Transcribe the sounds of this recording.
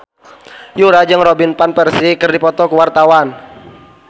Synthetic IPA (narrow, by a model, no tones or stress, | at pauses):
juɾad͡ʒɨŋrɔbinpanpɛrsikɨrdipɔt̪ɔkuwart̪awan